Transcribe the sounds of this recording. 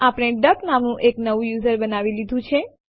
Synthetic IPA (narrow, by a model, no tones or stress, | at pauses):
apɽ̃eɖəknamnũʔeknəʋũjuzəɾbənaʋilid̪ʱũt͡ʃʰe